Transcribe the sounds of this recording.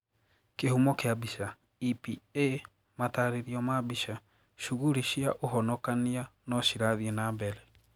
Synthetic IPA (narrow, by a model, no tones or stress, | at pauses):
kehumɔkeabiʃa | ipie | mataɾeɾiɔmabiʃa | ʃuɣuɾiʃiaʔoɦɔnɔkanianɔʃiɾaðienaːmbɛɾɛ